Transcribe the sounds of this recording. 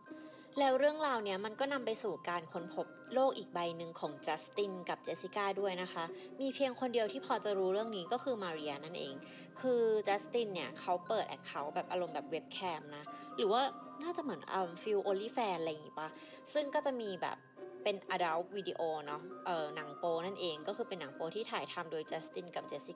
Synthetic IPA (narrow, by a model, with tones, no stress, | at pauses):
lɛː˦˥wɾɯ˥˩əŋɾaː˧wni˥˩ɐma˧nkɔː˥˩na˧mpa˧jsuː˨˩kaː˧nkʰo˧npʰo˦˥p̚loː˥˩k̚ʔiː˨˩k̚ba˧jnɯ˧ŋkʰɔː˩˦ŋt͡ɕa˦˥st̪i˧˥˩nka˨˩p̚t͡ɕe˧si˧kaː˥˩du˥˩əjna˦˥kʰa˦˥ | miː˧pʰi˧əŋkʰo˧ndi˧əwt̪ʰiː˥˩pʰɔː˧t͡ɕa˨˩ɾuː˦˥ɾɯ˥˩əŋniː˦˥kɔː˥˩kʰɯː˧maː˧ɾi˧ʔa˧na˥˩nʔḛː˧ŋ | kʰɯː˧t͡ɕɛː˦˥st̪iː˥˩nːi˥˩ɐkʰa˦˥wpɤː˨˩t̪ʔɛ̰˨˩kʰːa˦˥wbɛː˨˩p̚ʔa˧ɾo˧mbɛː˨˩p̚we˦˥p̚kʰɛː˧˥mna˦˥ɾɯː˩˦waː˥˩ | naː˥˩t͡ɕa˨˩ʔmɯ˩˦ənʔə̰ː˧mfi˧wʔoː˧li˥˩fɛː˧ʔa˧lja˨ŋiː˦˥pa˧˩ | sɯ˥˩ŋkɔː˥˩t͡ɕa˨˩miː˧bɛ̰ː˨˩p̚ː | e˧nʔaː˧da˦˥wwiː˧di˧ʔoː˧nɔ˦˥ʔɤː˨˩na˩˦ŋpoː˧na˥˩nʔeː˧ŋkɔː˥˩kʰɯː˧pe˧nːa˨˩˦ŋpoː˧t̪ʰiː˥˩t̪ʰaː˨˩˦jt̪ʰa˧mdoː˧jt͡ɕɛ˦˥st̪i˧˥˩nka˨˩p̚t͡ɕe˦˥si˧˦kː